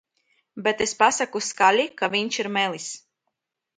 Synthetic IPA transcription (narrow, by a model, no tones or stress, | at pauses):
bet̪espasakuskalʲikavʲiɲt͡ʃiɾmelis